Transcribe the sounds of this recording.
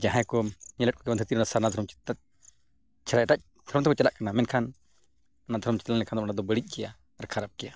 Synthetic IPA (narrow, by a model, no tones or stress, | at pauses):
d͡ʒãɦãjkɔɲɛləʈ̚kɔkɛband̪ʰʱət̪iɾɔnasaɾnad̪ʱɔɾɔmt͡ʃi̥t̪at̪̚ | t͡ʃʰɛɾaʈac̚ | d̪ʱɔɾɔmt̪ɛkɔt͡ʃɛlaʔkanamɛnkʰan | nad̪ʱɔɾɔmt͡ʃi̥t̪lanlɛkʰand̪ɔmanad̪ɔbəɽic̚ˀd͡ʒɛjaː | ɾkʰaɾap̚kɛja